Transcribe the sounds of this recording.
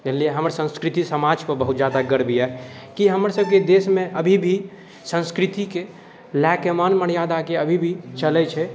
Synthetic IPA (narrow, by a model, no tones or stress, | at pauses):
d͡ʒəlieɦəməɾsə̃nskɾit̪isəmad͡ʒpəɾbəɦut̪̚d͡ʒjad̪aɡəɾbiɛ | kiɦəməɾsəb̚ʱked̪esmẽʔəbʱibʱi | sə̃nskɾit̪ike | lɛkemanməɽjad̪akeəbʱibʱit͡ʃəlɛt͡ʃʰɛ